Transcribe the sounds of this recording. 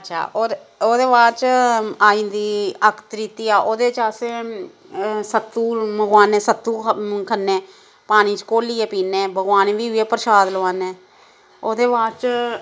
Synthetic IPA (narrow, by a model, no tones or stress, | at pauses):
ətːt͡ʃʰa̰ːoːoːd̪eːʋaːɾt͡ʃaːĩːnd̪iːəkʰt̪ɾiːt̪iːaːʔoːd̪eːt͡ʃaːse | sət̪ːuːməɡwaːneːsət̪ːuːkʰənːẽː | paːɽ̃iːt͡ʃkoːliːɛːpiːneːbəɡaːneʋiːɛːpəɾʃaːd̪ləʋaːnẽː | oːd̪eːbaːɾt͡ʃ